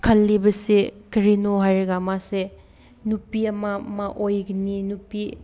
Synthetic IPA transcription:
kʰɐlːibɐsekɐɾinoɦajɾɐɡamase | nupiɐmɐmɐʔojɡininupi

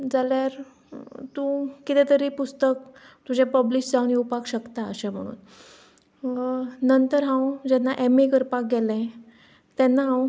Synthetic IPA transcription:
d͡zaljaɾ | t̪ũːkit̪ɛ̃t̪əɾipust̪ək | t̪ud͡ʑẽpəbliɕd͡zauniupakɕəkt̪aə̰ɕɛ̃m̤ə̰ɽ̃ṵːn | nənt̪əɾɦãwd͡ʑɛnːaʔemekəɾpak̚ɡɛlɛ̃ | t̪ɛnːaɦãw

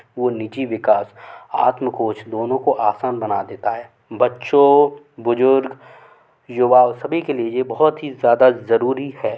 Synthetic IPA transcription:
ʋonit͡ʃiʋɪkaːsa̰ːt̪mkoːt͡ʃʰd̪oːnõkoʔaːsaːnbɐnad̪eːt̪aɦɛː | bɐtːʃõ | bʊzʊɾɡ | jʊʋaːʋsɐbʱikeliejebɐɦɔt̪ɦizjaːd̪azɐɾuːɾihɛː

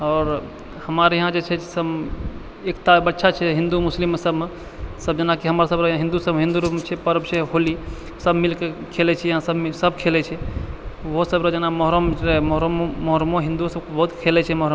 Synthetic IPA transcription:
ɔːɾ | həmaɾjɐɦãd͡ʒet͡ʃʰɛsəb | ekt̪abətːʃʰat͡ʃʰɛɦĩnd̪umʊslimːesəbʱme | səbd͡ʒənakiɦəmɾasəbɾəãɦĩnd̪usəbɦĩnd̪uɾupmet͡ʃʰɛpəɾəbseɦoli | səbmilkekʰelɛt͡ʃʰɛjɦãsəbmsəbkʰelɛt͡ʃʰɛ | ʋosəbɾəd͡ʒənamɔɦɾəmɾemɔɦɾmmɔɦɾmoɦĩnd̪usəb̚kebəɦut̪kʰelɛt͡ʃʰɛmɔɦɾəm

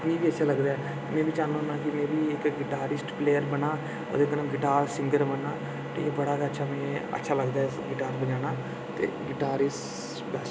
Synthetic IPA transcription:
t̪nĩːbiːətːʃʰaːləɡd̪aːɛ | mɛ̃ːʋiːt͡ʃaːnũnãːkɪmẽːʋiːɪkɡɪʈaːɾɪsʈpleːjəɾbəɳaː | o̰ːd̪eknãːɡɪʈaːɾsɪ̃ŋɡəɾbənːaː | ʈḭːkbəɽaːɡaətːʃʰaːmɛ̃ːə̰tːʃʰaːləɡd̪aːɛɡɪʈaːɾbəd͡ʒaːnaː | t̪ḛːɡɪʈaːɾɪsʈ | bɛːs

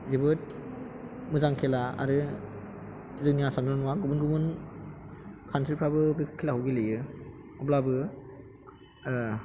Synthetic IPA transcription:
zibɯt̚ | mɯzaŋkʰelaa̰ɾɯ | zɯniasandɔnuwaɡubunɡɯbɯn | kʰantʰɾipʰɾabɯbikʰkʰːelaɦɯwɡilɯjɯ | ɔblabɯ

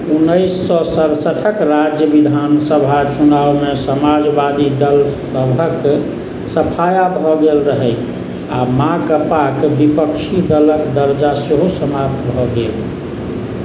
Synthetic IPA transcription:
unːəɪsːɔsəɾsəʈʰəkɾad͡ʒjəʋid̪ʱansəbʱat͡ʃunawmesəmad͡ʒbad̪id̪əlsəbʱək | səpʰajabʱɔɡelɾəɦɛ | amãɡəpakbipəkʃid̪ələkd̪əɾd͡ʒaseɦosəmap̚t̪bʱɔɡel

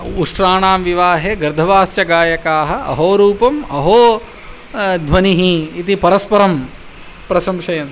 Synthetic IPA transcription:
uʂɾaːɳaːmʋiʋaːɦeːɡɐɾd̪ʱɐʋaːst͡ʃɐɡaːjɐkaːɦɐ̆ɐ̰ɦoːɾuːpɐmɐɦoː | d̪ʱʋɐniɦiːt̪ipɐɾɐspɐɾɐm | pɾɐʃɐmʃɐjɐn

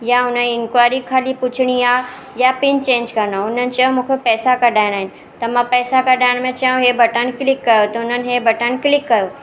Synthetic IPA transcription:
jaʊnəniɪnkwaːɾikʰaːlipʊt͡ɕʰɪɽ̃iaː | japɪnt͡ɕẽːɲd͡ʑkɐnaʊn̤ənɪ̆t͡ɕɐõmũːkʰepɛːsakɐɗʱaːɪɽ̃aːɦɪnɪ̆ | t̪ɐmãpɛːsakɐɗʱaːɪɽ̃mẽt͡ɕɐũɦebʱɐʈənɪ̆kɪlɪkːɐjot̪ɐʊn̤ənɪ̆ɦebʱɐʈənɪ̆kɪlɪkːɐjoː

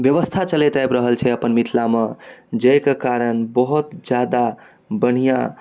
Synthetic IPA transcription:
bjəʋəst̪ʰat͡ʃəlet̪abɾəɦəlt͡ʃʰɛəpənmit̪ʰlamed͡ʒəjkekaɾənbəɦut̪d͡ʒjad̪a | bəɽ̤ijã

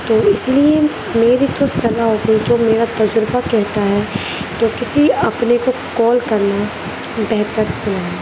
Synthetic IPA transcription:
t̪oːɪslie | meːɾid̪oːst̪t͡ʃɐlaɦoːɡəid͡ʒoːmeːɾat̪ɐd͡ʒɾbakɛɦt̪aɦɛː | t̪oːkɪsiɐpnekokɔːlkɐɾna | bɛɦt̪əɾselã

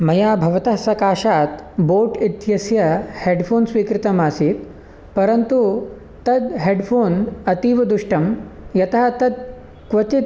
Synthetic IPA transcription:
mɐjaːbʱɐʋɐt̪ɐɦɐsɐkaːʃaːt̪boːʈit̪jɐsjɐheːɖpʰoːnsʋiːkɾɪt̪ɐmaːsiːt̪ | pɐɾɐnt̪u | t̪ɐd̪ɦeːɖpʰoːnɐt̪iːʋɐd̪uʂʈɐmjɐt̪ɐɦɐt̪ɐd̪̚ | kʋɐt̪it̪

